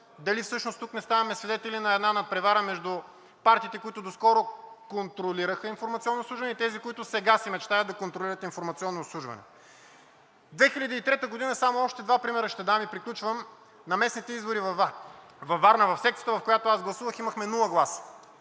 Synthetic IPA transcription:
d̪ɐlifsɤʃnost̪uknɛst̪avɐmɛsvid̪ɛt̪ɛlinɐɛd̪nanɐt̪̚pɾɛvaɾəmɛʒd̪u | paɾt̪iːt̪ɛkʊit̪ʊd̪oskɔɾokont̪ɾoliɾəxəinfoɾmɐt̪siɔnːotsˠuʒvɐnɛit̪ɛzikoit̪ʊsɛɡasɛmɛt͡ʃt̪ajəd̪d̪ɐkont̪ɾolʲiɾət̪infoɾmɐt̪siɔnːoːtslˠuʒvɐ̰nɛ̰ | d̪vɛxilʲɐd̪iːt̪ɾɛt̪əɡod̪inəsamoɔʃt̪ɛd̪vapɾimɛɾəʃt̪ɛd̪amipɾiklʲut͡ʃvəm | nɐmɛsnit̪ɛizboɾiv | vɐvːaɾnəvɐfsɛk̚t̪ət̪əvɐfkojat̪oazɡlˠɐsuvəximɐxmɛnulˠəɡlˠasə̥

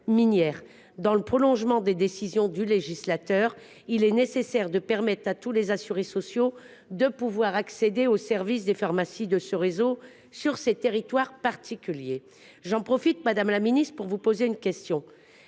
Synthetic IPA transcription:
minjɛːʁ | d̪ɑ̃ləpχɔlɔ̃ʒmɑ̃d̪ed̪esizjɔ̃d̪yleʒislat̪œʁ | ilɛnesesɛʁd̪əpɛʁmɛt̪χat̪ulezasyʁesɔsjo | d̪əpuvwaʁaksed̪eosɛʁvisd̪efaʁmasid̪əsəʁezo | syʁset̪eʁit̪waʁpaʁt̪ʰikʲylje | ʒɑ̃pχɔfit̪mad̪amlaminist̪χpuʁvupozeynkʲɛst̪jɔ̃

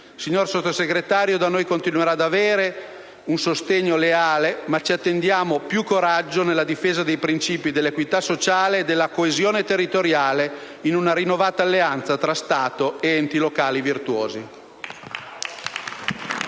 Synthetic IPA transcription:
siɲːorsot̪ːoseɡɾet̪aːɾjod̪anoːjkont̪inweɾad̪aveːɾe | unsost̪eɲːoleaːlemat͡ʃiat̪ːend̪jaːmopjukːoɾad͡ʒːonelːad̪ifeːzad̪ejpɾint͡ʃiːpid̪elːekwit̪asot͡ʃaːleːd̪elːakoezjoːnet̪erːit̪oɾjaːle | inunaɾinːovaːt̪aːlːeant̪sat̪ɾast̪aːt̪oeɛnt̪ilokaːlivirt̪wo̰ːzi

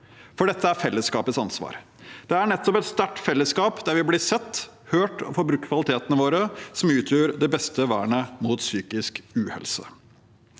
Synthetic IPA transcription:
fɔɖɛt̪ʰːəæɾfɛlːəskɑ̰ːpət̪sɑnsʋɑ̰ːɾ | d̪̥ɛæɳɛt̪ːɔpɛt̪st̪æʈfɛlːəskɑːpd̪æɾʋɪblɪsɛt̪ːhøːʈɔ̰fɔɾbɾʉkt̪kʰʋɑlɪt̪ʰeːt̪ənəʋoːɾəsɔmʉːt̪ʰjøːɾd̪ɛbɛst̪əʋæ̰ːɳəmuːt̪syːkɪskʉːhɛ̰lsə̰

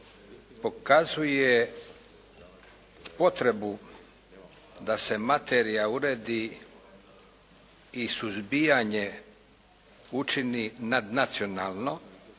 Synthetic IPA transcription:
po̞kazuje | po̞t̪ɾe̞bu | d̪ase̞mat̪eɾijauɾeːd̪i | isuzbijaɲe | ut͡ʃininad̪nat̪sijo̞naːlˠno̞

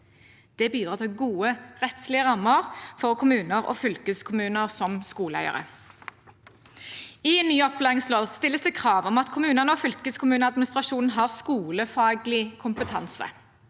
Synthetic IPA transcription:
d̪̥ɛbiːd̪ʁɑːt̪ʰɪlɡuːəʁɛt̪slɪəʁɑmːəʁfɔʁkʰʊmʉːnəʁo̰ːfʏlkəskʰʊmʉːnəʁsɔmskuːləæ̰ʏə̰ʁə̰ | ɪnyːɔplæːɪŋsloːst̪ɪlːəsd̪ɛkʰʁɑːʋɔmɑt̪kʰʊmʉːnəʁnəɔfʏlkəskʰʊmʉːnəɑd̪̚mɪnɪst̪ʁɑʃuːnn̩ɦɑːʁskuːləfɑːɡlɪkʰʊmpət̪ʰɑ̰nsə̰

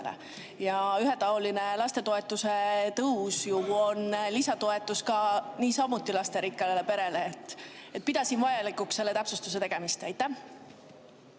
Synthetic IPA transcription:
lḛ | jɑyɦet̪ɑoline̞lɑst̪e̞t̪o̞e̞t̪ːˑuse̞t̪ɤwsjuo̞nlisɑt̪o̞et̪ːˑuskɑniːsɑmut̪ːˑilɑst̪e̞ɾikːˑɑlelepe̞ɾe̞leːt̪ːˑet̪̚ːpid̪ɑsinvɑjɑlikːˑuksːe̞lːe̞t̪æpsust̪us̬e̞t̪e̞ɡ̥e̞mist̪æjt̪ˑːæh

